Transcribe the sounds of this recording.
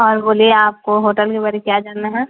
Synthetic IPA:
ɔːɾboːlieaːp̚koɦoːʈəlkebɐɾekjad͡ʒaːɽnaɦɛː

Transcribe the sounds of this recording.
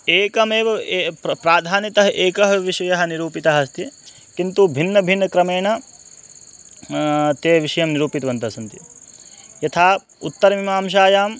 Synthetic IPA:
eːkɐmeːʋɐepɾaːd̪ʱaːnit̪ɐɦɐʔeːkɐɦɐʋiʂɐjɐɦɐ̆niɾuːpit̪aːɦɐst̪ʰi | kint̪ubʱinːɐbʱinːɐkɾɐmeːɳɐ | t̪eːʋiʂɐjɐmniɾuːpit̪ɐʋɐnt̪ɐsɐnt̪i | jɐt̪ʰaː | ut̪ːɐɾɐmimaːmʃ̬aːjaːm

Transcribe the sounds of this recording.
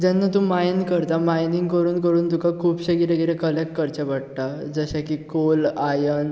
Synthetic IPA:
d͡ʑanːat̪ũːmajnkəɾt̪amajniŋɡkəɾuːnkəɾuːnt̪ukakʰuːbɕəɡiɾeɡiɾekəlek̚ʈ̚kəɾt͡ɕebaʈ̚t̪ad͡zəɕakikolajən

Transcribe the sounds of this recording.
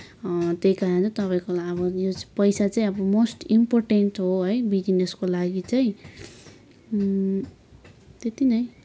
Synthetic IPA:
t̪ejkaɾant͡sʌt̪ʌpaĩkolaʌbʌjot͡spʌjsat͡saĩʌbʌmosʈimporʈenʈɦoɦʌjbid͡ʒineskolaɡit͡saĩ | t̪et̪inʌj

